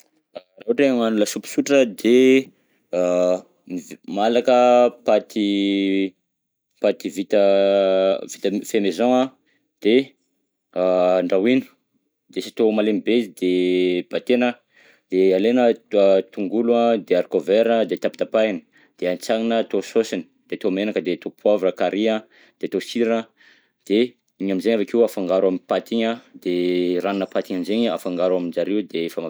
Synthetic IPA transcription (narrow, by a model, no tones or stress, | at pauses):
rauʈ͡ʂeŋanulasupi̥suʈ͡ʂəd̪e | mimalakəpat̪i | pat̪ivit̪ə | vit̪əfemezoŋa | d̪̥e | ɳɖ͡ʐawinu̥ | d̪̥esi̥t̪omalemibezid̪eb̥at̪enə | d̪̥ealenət̪uŋɡuluad̪eaɾikoveɾnəd̪et̪api̥t̪apainə̥ | d̪̥eant͡saŋinət̪ososini̥d̪̥et̪omenakəd̪et̪opʰavɾəkaɾia | d̪̥et̪osiɾanə | d̪̥e | iɲaminzeɲavakiwafaŋɡaɾwamipat̪iɲəd̪̥eraninəpat̪iɲanzeɲa̰faŋɡaɾuamid͡ʒaɾewd̪eefama